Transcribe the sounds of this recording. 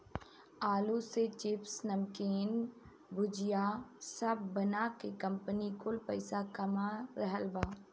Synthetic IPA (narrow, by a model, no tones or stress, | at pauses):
aːluset͡ʃɪpsnɐmkeːn | bʊd͡ʒjaːsɐbːənakekɐ̃mpənikʊlpɐɪsakɐmaɾɐɦəlbaː